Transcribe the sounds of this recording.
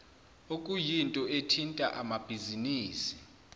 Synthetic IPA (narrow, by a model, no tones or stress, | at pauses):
okʼujintʼɔetʰintʼa̰ʔamab̥ʱiziniːsi̥